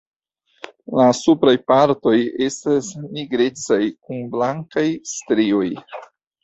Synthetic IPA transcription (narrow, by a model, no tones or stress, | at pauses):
lasupɾajpaɾto̞je̞stasniɡɾe̞t͡sajkunblaŋkajstɾio̞j